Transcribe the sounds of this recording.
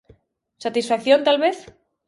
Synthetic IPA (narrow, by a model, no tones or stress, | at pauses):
sat̪isfakθjo̞nt̪alβeθ